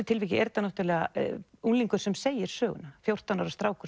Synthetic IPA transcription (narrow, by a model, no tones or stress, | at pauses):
ɪt̪ʰɪlviːcɪɛɾt̪anɔht̪ʏɾlɛɣaunliŋkʏ̥sɛmseːjɪɾ̥sœːɣʏ̰nafjowr̥t̪anaɾast̪ɾaːwkʏ